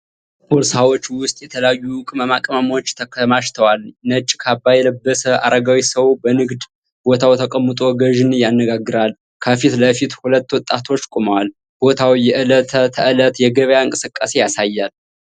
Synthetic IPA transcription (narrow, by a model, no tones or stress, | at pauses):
boɾsawot͡ʃːwʊst̪ʼjɛt̪ʰələjajːukʼɨməmakʼəməmwot͡ʃːt̪ʰəkʰmaʃt̪ʰəwalnət͡ʃʼːkʰabːajɛləbːəsəʔa̰ɾəɡawisəwbənɨɡd̪ | b̥o̞t̪ʰawt̪ʰəkʼəmːɨt̪ʼo̞ɡəʒɨnjanːəɡaɡːɨɾal | kʰəfit̪ləfit̪hulət̪ːwɔt̪ʼːat̪ʰo̞t͡ʃːkʼoməwal | b̥o̞t̪ʰawijɛʔɨlət̪ʰət̪ʰəʔɨlət̪jɛɡəβəjaɨŋkʼɨsɨkʼːase̞jasajːal